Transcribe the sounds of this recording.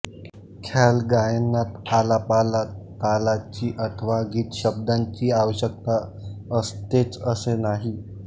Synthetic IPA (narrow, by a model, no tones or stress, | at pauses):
kʰalɡajenːat̪alapalakalat͡ɕiːʔət̪ʰəʋaɡiːt̪ɕəb̚d̪aɲt͡ɕiːaʋəɕjək̚t̪a | əst̪et͡səsenaɦi